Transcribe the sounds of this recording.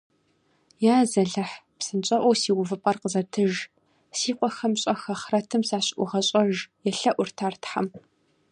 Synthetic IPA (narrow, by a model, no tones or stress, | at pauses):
jaːzɐɮɐħpsɨnt͡ʃʼɐʔʷɔwsiːwʊvɨpʼɐrqəzɐtʰɨʒ | siːqʷʼɔxɐmɕʼɐxɐχrɐtʰɨmsaːɕʔʷʊʁɐɕʼɐʒjɛɬɐʔʷʊrtʰaːrtħa̰m